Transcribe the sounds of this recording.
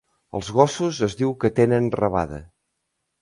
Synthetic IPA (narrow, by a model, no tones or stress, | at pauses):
ə̰lˠzɣɔsuzəzðiwkət̪enənrəβa̰ðə̰